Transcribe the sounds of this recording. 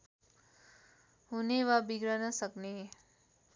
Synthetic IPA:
ɦuneʋabiɡɾanəsəkne

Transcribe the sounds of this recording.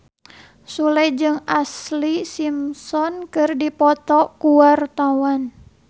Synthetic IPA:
sulɛd͡ʒɨŋaslisimsɔnkɨrdipɔt̪ɔkuwart̪awan

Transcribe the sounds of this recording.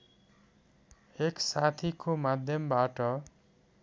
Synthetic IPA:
eksat̪ʰikʰomad̪ʱjʌmbaʈʌ

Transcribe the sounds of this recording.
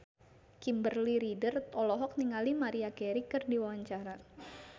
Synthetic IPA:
kimbərliɾidərt̪ɔlɔɦɔk̚niŋalimaɾiakɛɾikɨrdiwawaɲt͡ʃaɾa

